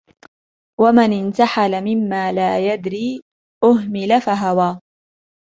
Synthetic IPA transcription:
wamanɪnt̪aħalamɪmːaːlaːjad̪ɾiː | ʔʊɦmɪlafaɦawaː

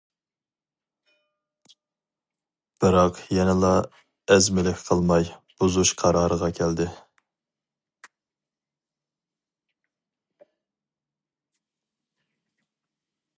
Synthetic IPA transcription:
b̥ɨɾɑqjɛnɪlˠɑ | ɛzmɪlɪkʲqʰəlˠmɑjb̥uzuʃqʰɑɾɑːɾəʁɑkʲʰɛld̪ɪ

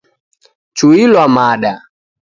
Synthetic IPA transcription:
t͡ʃuilwamaɗa

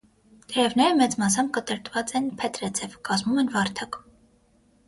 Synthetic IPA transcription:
k̪ɛɾɛvnɛɾəmɛt͡smɑs̬ɑmkət̪əɾt̪vɑt͡sɛnpʰɛt̪ɾɛt͡sʰɛvkɑzmumɛnvɑɾt̪ʰɑk

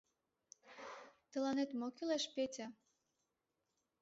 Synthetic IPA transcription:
t̪ə̆lɑnet̪mokileʃpetʲa

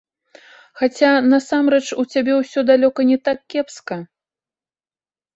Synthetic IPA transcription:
xat͡sʲanɐsamɾɛt͡ʂut͡sʲabʲɛwsʲɔd̪alʲɔkɐnʲɛt̪akːʲɛpskɐ

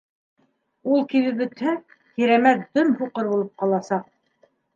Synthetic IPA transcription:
ulˠkiðɘp̬̚ɵ̆t̪hæ | kiɾæmæt̪d̪ɵmhuqɤɾβulˠɤp̚qɑlˠɑsɑq̚

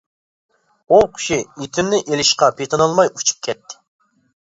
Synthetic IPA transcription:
oqʰʲi̥ʃiit̪ʰynnɪʔelɪʃqɑpʰet̪ʰɨnɑlˠmɑjut͡ʃʰu̥p̚kʲʰɛt̪ʰːɪ̥

